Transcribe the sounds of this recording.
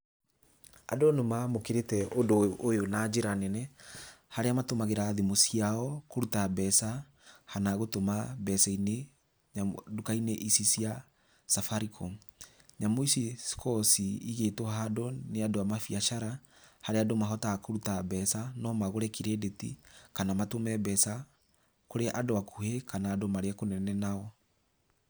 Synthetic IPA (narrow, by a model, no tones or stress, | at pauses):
a̰donomamokeɾetɛodoojonad͡ʒeɾanɛnɛhaɾeamatomaɣeɾaðemosiaɔkoɾutabɛsa | hanaɣotomabɛsaine | ɲadokaineʔisisia | safaɾikʰɔ | ɲamoisiskʰɔsiiɣetwɔɦadɔneadoamafiaʃaɾahaɾeadomaɦɔtakoɾutabɛsanɔmaɣoɾɛkiɾedetḭkanamatomɛbɛsa | koɾeʔadoakuhekʰanaːdomaɾeakonɛnɛnaɔ